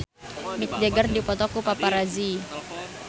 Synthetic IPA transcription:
mit̪̚d͡ʒɛɡərdipɔt̪ɔkupapaɾazi

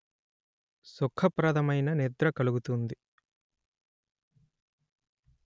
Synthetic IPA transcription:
sukʰɐpɾɐd̪ɐmɐjnɐned̪ɾɐkɐluɡut̪und̪i

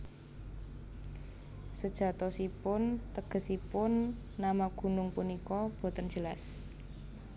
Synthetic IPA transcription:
səd̥ʒ̥ä̤t̪ɔsipʊnt̪əɡ̥ə̤sipʊnː | amaɡ̥ṳnʊŋpunikɔb̥o̤t̪ənd͡ʒ̥əlas

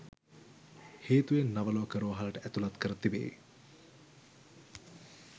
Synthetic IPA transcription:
heːt̪uʋenːaʋəloʋkəɾuʋɐɦɐlɐʈəæt̪ulɐt̪kəɾət̪ibḛː

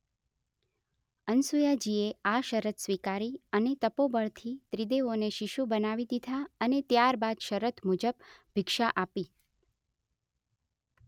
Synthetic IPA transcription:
ənsujad͡ʒieaʃəɾət̪sʋikaɾiənet̪əpobəɭt̪ʰit̪ɾid̪eoneʃiʃubənaʋid̪id̪ʱaənet̪jaɾbad̪ʃəɾət̪mud͡ʒəbbʱɪkʃaʔapi

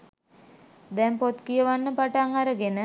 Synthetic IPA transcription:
d̪ɛmpot̪kijəʋanːəpaʈaŋaɾəɡenə

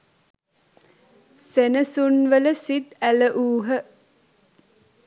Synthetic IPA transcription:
senəsunʋələsid̪æləʔuːɦə

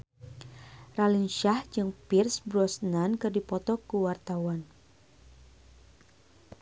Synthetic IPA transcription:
ralinʃahd͡ʒɨŋpirsbɾɔsnankɨrdipɔt̪ɔkuwart̪awan

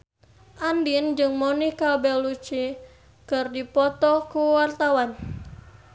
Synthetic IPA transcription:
ʔandind͡ʒɨŋmonihkabɛlut͡ʃi | kɨrdipɔt̪ɔkuwart̪awan

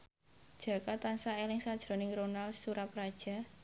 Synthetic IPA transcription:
d̥ʒ̥ä̤kat̪ansaelɪŋsad̥ʒ̥ɾɔ̤nɪŋɾonalsuɾaprad̥ʒ̥a̤

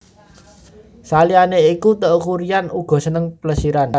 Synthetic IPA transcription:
salianeikut̪əʔkuɾijanuɡ̥ɔ̤sənəŋpələsiɾan

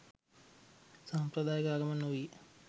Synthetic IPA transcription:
saːmpɾɐd̪aːjɐkaːɡɐmɐnoji

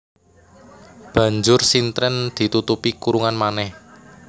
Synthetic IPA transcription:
b̥ä̤ɲd͡ʒʊrsint̪ɾɛnd̪̥i̤t̪ut̪upikuɾuŋanmanɛh

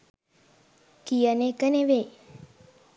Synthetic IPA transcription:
kijənekəneʋe

